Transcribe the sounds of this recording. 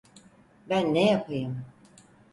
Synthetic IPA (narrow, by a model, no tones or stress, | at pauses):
bænːɛjapʰɯjɯm